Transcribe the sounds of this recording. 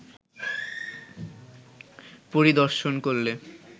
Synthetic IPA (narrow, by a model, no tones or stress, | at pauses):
poɾid̪ɔɾʃonkoɾle